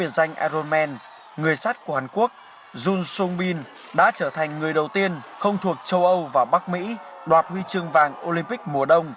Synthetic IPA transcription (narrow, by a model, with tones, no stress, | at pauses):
i˧˩ənza˧jŋ̟ʔa̰ː˧zo˧nmɛ˧n | ŋɨ˨˩əjsa˦˥t̚ku˧˩haː˨˩nku˦˥ək̚ | zu˧nsʊ˧ŋ͡mɓi˧n | ɗa̰ː˧˥t͡ɕəː˧˩t̪ʰa˨˩jŋ̟ŋɨ˨˩əjɗə˨˩wt̪i˧ənxə˧wŋ͡mt̪ʰu˨˩ək̚t͡ɕə˧wʔə˧wvaː˨˩wɓa˦˥k̚mḭ˧˥ | ɗwaː˨˩t̚hwi˧t͡ɕɨ˧əŋvaː˨˩ŋʔo˧li˧mpï˦˥k̚mu˨˧˩əɗə˧wŋ͡m